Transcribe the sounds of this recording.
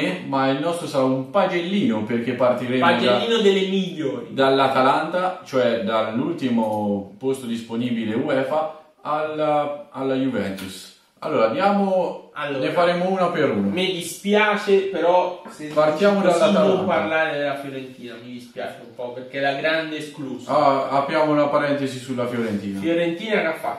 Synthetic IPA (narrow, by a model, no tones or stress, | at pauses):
emailnɔst̪ɾosaɾaumpad͡ʒelːiːnoperk̟epːart̪iɾeːmad͡ʒelaːiːnod̪elːemiʎːoːɾid̪alːat̪alant̪at͡ʃoɛd̪alːult̪imopost̪od̪isponiːbileuɛːfa | alaalːajuvɛnt̪us | a̰lːoːɾad̪jaːmoalːonefaɾemouːnapeɾuːnamed̪ispjaːt͡ʃepeɾɔsepart̪jaːmod̪aomparlaːɾed̪elafjoɾent̪iːnamid̪ispja̰ːt͡ʃeumpɔperkelaɡɾand̪eskluzaapɾjaːmounapaɾɛnt̪esisulːafjoɾent̪iːnafjoɾent̪iːnakafːa